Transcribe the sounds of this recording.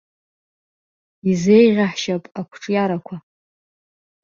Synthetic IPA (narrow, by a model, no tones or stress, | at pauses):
izejʁʲaħʃapʼakʷʰʈ͡ʂʼjaɾakʷʰa